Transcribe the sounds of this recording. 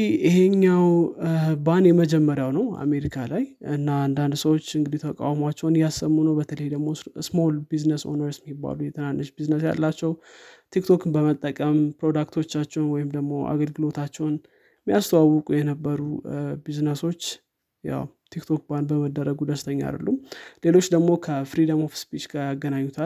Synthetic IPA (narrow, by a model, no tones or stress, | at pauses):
ɪheɲːawbanjɛməd͡ʒɛmːəɾjawnəwa̰me̞ɾikʰalajɨnːaand̪and̪səwo̞t͡ʃːɨŋɡɨd̪it̪ʰəkʼa̰wmat͡ʃːɛwnjasːəmːunəwbət̪ʰələjd̪əɡmo̞smo̞lbiznəso̞̰nəɾsmibːa̰lujɛt̪ʰənanːʔəʃbiznəsja̰lːat͡ʃːɛwt̪ʰikt̪ʰo̞kɨnbəmət̪ʼːəkʼəmpɾo̞d̪akt̪ʰo̞t͡ʃːat͡ʃːɛwnwɔjɪmd̪əɡmo̞ʔa̰ɡəlɡɨlo̞t̪ʰat͡ʃːɛwn | mːijast̪ʰəwawːʊkʼujɛnəbːəɾubiznəso̞t͡ʃː | ja̰wt̪ʰikt̪ʰo̞k̚band̪bəməd̪ːəɾəɡud̪əst̪ʰəɲːa̰d̪ə̰lːumle̞lo̞t͡ʃːd̪əɡmo̞kʰəfɾid̪əmofspit͡ʃɡaaɡːənaɲːut̪ʰal